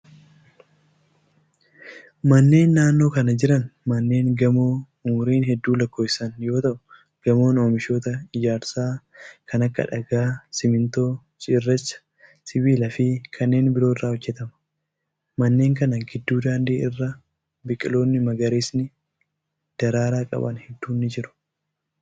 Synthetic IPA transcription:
mɐnːe̞ːnːaːnːo̞ːkɐnɐd͡ʒɪɾɐnmɐnːe̞ːŋɡɐmoː | ʊmʊɾiːnɦɛd̪ːuːlɐkːo̞ːɪsɐnjo̞ːt̪ɐʔʊ̥ | ɡ̥ɐmo̞ːno̞ːmɪʃo̞ːt̪ɐɪd͡ʒaːɾsaː | kʰɐnɐkːɐ̰ᶑɐɡaːsɪmɪnt̪o̞ː | t͡ʃʼɪrːɛt͡ʃːɐ̥ | sɪbiːlɐfɪkʰɐnːe̞ːnbɪɾoːɪrːaːɔd͡ʒːɛt̪ɐmɐ̥ | mɐnːe̞ːŋkɐnɐɡɪd̪ːuːd̪aːnd̪iːʔɪrːɐ | bɪkʼɪlo̞ːnːɪmɐɡɐɾeːsnɪ | d̪̥ɐɾaːɾaːkʼɐ̰bɐ̰nhɛd̪ːuːnːɪd͡ʒɪɾʊ̥

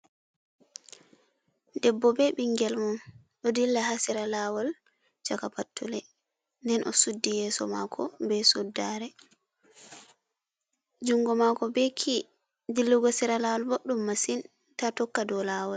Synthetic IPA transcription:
dɛbːɔbɛɓiŋɡɛlmɔn | ɗɔdilːahasiɾalawɔl | t͡ʃakapatːulɛ | ndɛnʔɔ̰sudːijɛːsɔ̰makʰɔbɛsudːaɾɛ | d͡ʒuŋɡɔmakɔbɛkʰi | dilːuɡɔsiɾalawɔlboɗːumːasin | tatɔkːadɔlaːwɔl

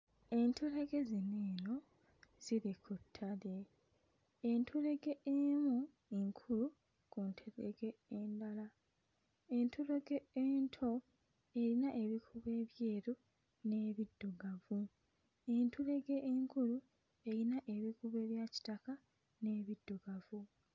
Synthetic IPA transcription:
e̞ntʰuleɡe̞zineːno̞ | z̥iɾekʰutʰːaleː | ntʰule̞ɡe̞emu | eŋkʰulu | kuntʰuɾḛɡeːndala | entʰuleɡeeːntʰo̞ | e̞ɾinaʔe̞βikʰuβe̞ːβje̞ːɾu | neːβidːuɡavu | e̞ntʰule̞ɡeʔeŋkulu | e̞ɾinaʔe̞βikuβe̞ːβjaci̥taka | ne̞ːβidːuɡavu

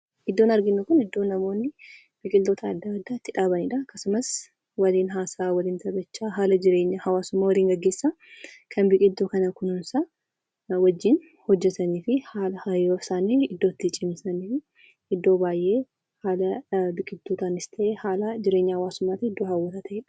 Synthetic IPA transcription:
ʔɪd̪ːo̞ːnɐɾɡɪnːʊkʊnɪd̪ːo̞ːnɐmo̞ːnːɪ | bɪkʼɪnt̪ːoːt̪ʰɐːd̪ːɐmɐd̪ːaɪt̪ːɪᶑaːbɐnɪᶑɐɐkːɐsʊmɐs | wɐliːnɦaːsaːwɐliːnt̪ɐbɐt͡ʃːaːɦaːlɐd͡ʒɪɾeːɲːɐhɐwaːsʊmːaːwɐliːŋɡɐɡːe̞ːsːa | kʰɐnbɪkʼɪt̪ːoːkɐnɐkʊnʊnsaː | wɐd͡ʒːɪn | hɔd͡ʒːɛt̪ɐniːfɪhaːlɐhɐjofsaːniɪd̪ːoːt̪ːɪt͡ʃʼɪmsɐniːfɪ | ɪd̪ːo̞ːbaːjʔe̞ː | haːlɐbɪkʼɪt̪ːuːt̪aːnɪst̪ʰɐʔeːhaːlɐd͡ʒɪɾeːɲːɐhɐwaːsʊmːaːt̪ɪɪd̪ːoːhɐwːɐt̪at̪ʰɐʔeːᶑɐ̥

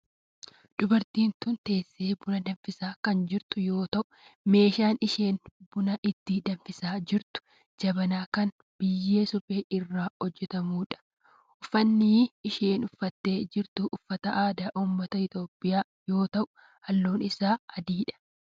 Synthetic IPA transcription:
d̪̥ʊbɐɾt̪iːnt̪ʊnt̪e̞ːsːeːbʊnɐd̪ɐnfɪsaːkɐnd͡ʒɪɾt̪ʊjo̞ːt̪ɐʔʊ̥me̞ːʃaːnɪʃe̞ːnbʊnɐʔɪt̪ːiːd̪ɐnfɪsaːd͡ʒɪɾt̪ʊ̥ | d͡ʒɐbɐnaːkɐn | b̥ɪjːeːsʊfʼe̞ːʔɪrːaːhɔd͡ʒːɛt̪ɐmuːᶑɐ̥ | ʔʊfːɐnːiːʃeːnʊfːɐt̪ːe̞ːd͡ʒɪɾt̪ʊʔʊfːɐt̪ɐʔaːd̪aːʔuːmːɐt̪ɐɪt̪o̞ːpʼːɪjaː | jo̞ːt̪ɐʔʊ̥ | hɐlːoːnɪsaːɐd̪iːᶑɐ̥

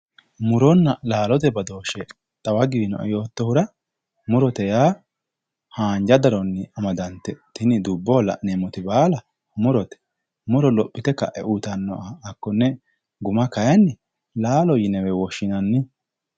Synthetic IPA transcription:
mʊɾɔnːɐlaːlɔt̪ɛbɐd̪o̞ːʃɛ | t̪ʼɐwɐɡiːnɔ̰ʔɔ̰jo̞ːt̪ːɔhʊɾɐ | mʊɾɔt̪ɛjaː | haːnd͡ʒɐd̪ɐɾɔnːɪɐmɐd̪ɐnt̪ːɛt̪ɪnɪd̪ʊbːɔːlɐ̰neːmɔt̪ɪbaːlɐ | mʊɾɔt̪ɛ̥ | mʊɾɔlɔpʼːɪt̪ɛkɐ̰ʔɛ̰ʔut̪ɐnːɔ̰ʔaːkːɔnːɛ | ɡʊmɐkɐjɐnːɪ | laːlɔjɪnɛwɛwɔʃːɪnɐnːɪ

